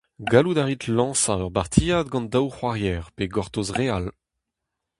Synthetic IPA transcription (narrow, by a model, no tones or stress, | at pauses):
ɡalud̪aʁit̪lɑ̃saœʁbaʁt̪ʰijad̪ɡɑ̃nd̪awχwaʁjɛːʁpeɡɔʁt̪osʁeal